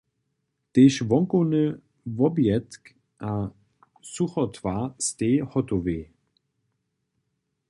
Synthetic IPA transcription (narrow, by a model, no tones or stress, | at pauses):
t̪eʃvɔŋkɔnə | vɔbjɛt̪k | ʔa | suxɔt̪vast̪eːhɔt̪ɔveː